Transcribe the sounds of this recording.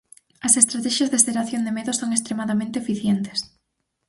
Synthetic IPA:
ɐsest̪ɾat̪ɛʃɐzðeseɾaθjond̪emeðʊsoŋest̪ɾemaðamẽnt̪eefiθjent̪ɪ̥s

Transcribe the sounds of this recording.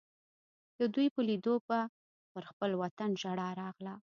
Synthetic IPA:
d̪̥əd̪ujpəlid̪oba | pəɾxpəlwat̪anʒaɽɑɾɑɣla

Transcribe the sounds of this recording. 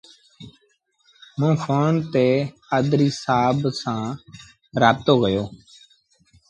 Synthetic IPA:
mũːfoːnt̪eː | əd̪ɾiːsaːbsãː | ɾaːb̚t̪oːɡəjoː

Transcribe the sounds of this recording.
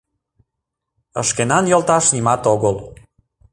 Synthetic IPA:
ə̰ʃkenɑnjolt̪ɑʃnimɑt̪oɣəl

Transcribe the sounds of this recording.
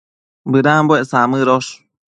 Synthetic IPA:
bɨɾamboesamɨɾoʂ

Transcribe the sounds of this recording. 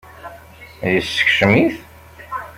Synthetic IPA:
jəsːə̥çʃəmiθ

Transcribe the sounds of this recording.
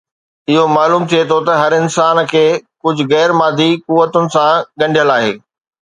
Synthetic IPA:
ɪɦomaːluːmt̪ʰijet̪ʰot̪ɐɦɐɾɪnsaːnkʰeːkʊd͡ʑʱʊ̆ɣɛːɾmaːd̪ʱikuʋːət̪ʊnɪ̆sãɡɐ̃ɳɖʱijəlaːɦḛː

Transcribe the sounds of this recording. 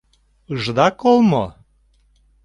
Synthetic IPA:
əʒd̪ɑkolˠmo

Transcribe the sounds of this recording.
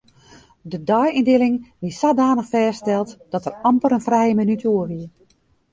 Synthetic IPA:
dədɔjindɪlɪŋʋisadaːnəxfɛːstɛlˠtd̥ɔtərɑmpəɾənfrɛjəminytʰoərʋiə

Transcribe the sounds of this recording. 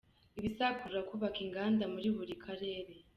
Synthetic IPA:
iβisakuɾakuβakiŋɡaːndamuɾiβuɾikʰaɾe̞ːɾe̞

